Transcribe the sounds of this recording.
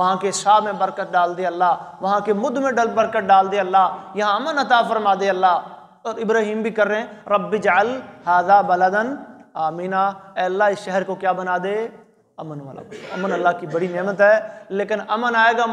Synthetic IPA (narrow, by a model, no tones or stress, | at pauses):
ʋɐɦãːkeɪsaːbmẽbəɾkət̪̚ɖaːld̪eɐlːaːʋɐɦãːkemʊd̪mẽɖəlbəɾkəʈ̚ɖaːld̪eɐlːaːjɐɦãɐmənɐt̪aːfəɾmaːd̪eɐlːaː | ɔːɾɪbɾaːɦiːmbʱikəɾːəɦẽɾəbːid͡ʒəlhaːd̪aːbɐləd̪ənaːmiːnaːɛːɐlːaːɪsʃɛɦəɾkokjaːbənaːd̪eː | ɐmənʋa̰la̰ːɐmənɐlːaːkibɐɽinɛːmət̪ɦɛːleːkɪnɐmənaːeːɡa